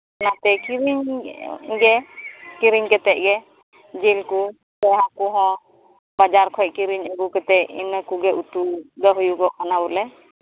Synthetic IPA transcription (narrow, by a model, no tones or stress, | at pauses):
nat̪ɛkiɾiɲ | ɡɛkiɾiɲkɛt̪ɛʔ̚ɡɛ | d͡ʒilku | tɛɦakuɦɔ̃ | bad͡ʒaɾkʰɔjʔkiɾiɲaɡukɛt̪ɛʔḭnəkuɡɛʔut̪ud̪əɦujuɡɔkanabulɛ